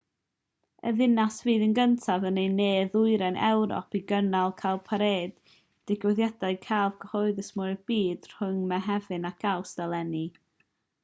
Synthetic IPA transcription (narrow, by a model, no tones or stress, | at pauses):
ə̰ðɪnasviːðənɡəntʰavənejneːðʊɨɾɛnʔɛ̰wɾɔ̰pʰiɡənalˠkʰalˠpʰaɾeːd̥ | d̥ɪɡwɛðjadaɨkʰalˠvɡəhɔɨðəsmʊb̥iːd̥r̥ʊŋmɛɦɛvɨnaɡ̥ʰawsd̥alˠɛni